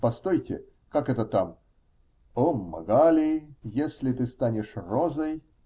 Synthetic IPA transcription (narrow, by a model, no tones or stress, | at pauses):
pɐst̪ojtʲɪ̰ | kakɛt̪ət̪am | omːɐ̰ɡalʲɪjesʲlʲɪt̪ɨst̪anʲɪʂrozəj